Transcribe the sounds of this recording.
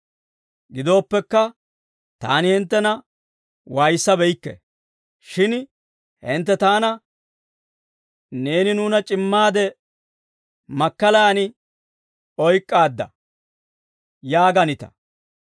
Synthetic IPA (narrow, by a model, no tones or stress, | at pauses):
ɡɪd̪o̞ːpːɛkːɐ | t̪a̰ːnɪhɪnt̪ːɛnɐ | wajsːɐbɛjɪkːɛ̰ | ʃɪn | hɪnt̪ːɛt̪aːnɐ | ne̞ːnɪnuːnɐt͡ʃʼɪmːaːd̪ɛ | mɐkːɐlɐɐnɪ | ɔjkʼːaːd̪ːɐ̰ | jaːɡɐnɪt̪ɐ̰